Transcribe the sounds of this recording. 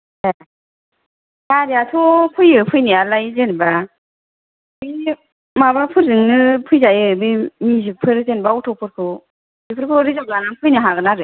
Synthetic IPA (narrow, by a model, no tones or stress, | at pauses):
e | kaɾiatʰupʰɯjɯpʰɯjnialajzenba | bɯj | maβapʰɯɾzɯŋnɯpʰɯjzajɯbɯmizɯk̚pʰɯɾɯzenbautʰɔpʰɯɾkʰɯ | bipʰɯɾkʰɯɾizaw̚ɡanaŋpʰɯjnɯɦaɡɯnaɾɯ